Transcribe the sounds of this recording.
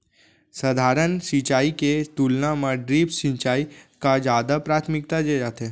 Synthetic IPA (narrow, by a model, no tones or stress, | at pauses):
səd̪ʱaːɾənsit͡ʃaːiket̪ulnãmãɖɾiːpsĩt͡ʃaːikad͡ʒaːd̪apɾaːt̪ʰmɪk̚t̪ad͡ʒed͡ʒaːt̪e